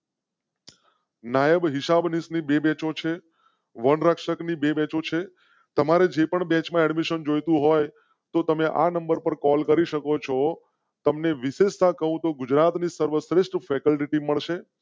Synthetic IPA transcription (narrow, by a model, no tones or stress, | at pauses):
najəbɦɪsabnisnibebɛ̃t͡ʃot͡ʃʰe | ʋənɾəkʃəknibebɛ̃t͡ʃot͡ʃʰe | t̪əmaɾed͡ʒepəɳbɛ̃t͡ʃmãɛɖmiʃənd͡ʒojt̪ũɦoj | t̪ot̪əmeʔa̰nəmbəɾpəɾkɔlkəɾiʃəkot͡ʃʰo | t̪əmneʋɪʃeʃt̪ãkəɦũt̪oɡʊd͡ʒɾat̪nisəɾʋəsɾɪʃʈfʰɛkəlʈiʈimːəɭʃe